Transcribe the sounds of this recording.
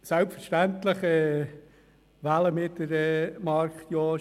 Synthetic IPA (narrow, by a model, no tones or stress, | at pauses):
sælpfəɾʃtænt̪ləχɛː | ʋæləmɪtdəɾɛmɑɾkχt̪joː